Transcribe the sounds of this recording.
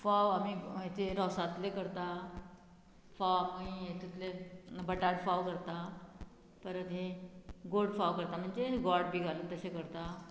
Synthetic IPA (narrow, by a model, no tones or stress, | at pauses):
faʋamiet̪eɾɔsat̪lekəɾt̪a | fawkaiet̪ʰut̪lebəʈaɽfaʋkəɾt̪a | p̪əɾəd̪ʱeɡoɽfaʋkəɾt̪am̤əɳd͡zeɦeɡɔɽbʱiːɡʱaluːnt̪əsẽkəɾt̪a